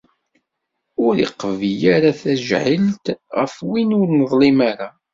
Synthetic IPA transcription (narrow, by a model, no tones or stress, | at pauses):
ʊɾḭqvijaɾaθæʒʕəlt̪ʁəfwinʊɾnəðˤlimaɾa